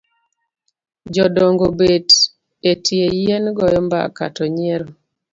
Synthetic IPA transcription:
d͡ʒɔdɔŋɡobed | etʰiejenɡɔjɔmba̰ka̰tɔɲieɾo

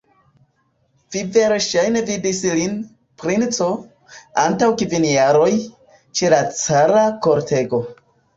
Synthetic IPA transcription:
vive̞ɾʃajne̞vidislin | pɾint͡so̞ | antawkvinjaɾo̞j | t͡ʃe̞lat͡saɾako̞ɾtʰe̞ɡo̞

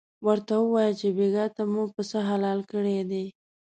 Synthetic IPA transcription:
wəɾt̪awəwɑjət͡ʃebeɡat̪amupəsəɦalɑlkəɽed̪e

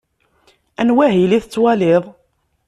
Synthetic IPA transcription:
ænwæɦiliθət͡sːwælɪðˤ

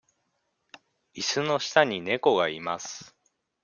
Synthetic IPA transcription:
isɨno̞ɕi̥t̪aɲ̟ine̞ko̞ɡaimasɨ̥

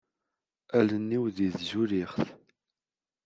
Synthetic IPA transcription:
ælənːiwðiðzuɾiχθ

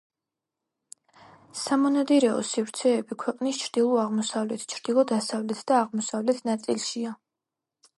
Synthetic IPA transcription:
samɔnad̪iɾɛɔ̰sivɾt̪sʰɛːbikʰwɛqʼnist͡ʃʰɾd̪̥ilˠɔaʁmɔsavlɛt̪ʰt͡ʃʰɾd̪̥ilˠɔd̪asavlɛt̪ʰd̪̥aːʁmɔsavlɛt̪ʰnat̪sʼilˠʃia

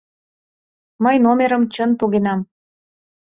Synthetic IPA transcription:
məjnomeɾəmt͡ɕənpuɣenɑm

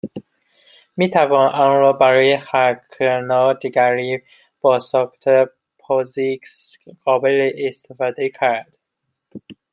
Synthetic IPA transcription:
miːt̪ʰævɒːnʔɒnɾɒːbæɾɒːjexækʰenɒːd̪iɡæɾiː | b̥ɒːsɒːxt̪ʰe | pʰɒziksɡɒːbeleʔːst̪ʰefɒːd̪ecʰæɾd̪̥

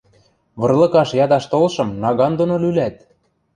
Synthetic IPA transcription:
βɤ̆rlɤ̆kɑʃjɑd̪ɑʃt̪olʃɤ̆mnɑɣɑnd̪onolylæt̪̚

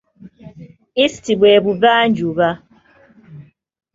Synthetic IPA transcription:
istibwɛːbuβand͡ʒuβa

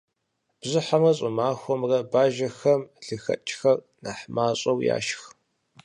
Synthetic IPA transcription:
b̥zɨħamrɐɕʼʊmaːxʷɔmrɐbaːʒɐxɐmɮɨxɐ̰t͡ʃʼxɐr | naːħmaːɕʼɐwja̰ːʃx

